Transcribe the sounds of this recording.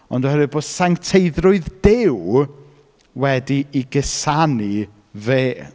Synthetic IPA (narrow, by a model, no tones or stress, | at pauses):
ɔndɔhəɾɨboːd̥saŋtʰejðrʊɨðd̥ɪw | wɛdiiɡəsani | veː